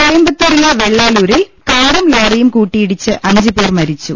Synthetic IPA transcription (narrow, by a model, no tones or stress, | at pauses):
kɔɐjmbɐt̪ːuɾɪlɐʋɛɭːaːluːɾɪlkaːɾɐmloːrɐjɯmkuːʈːijɪɽɪt͡ɕːɨʔɐɲd͡ʑɨpeːrmɐɾit͡ɕːṵ